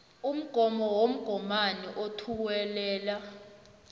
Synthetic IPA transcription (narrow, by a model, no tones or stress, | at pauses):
um̩ɡ̥ʱɔmɔwom̩ɡ̥ʱɔmaniʔotʰuwɛlɛːla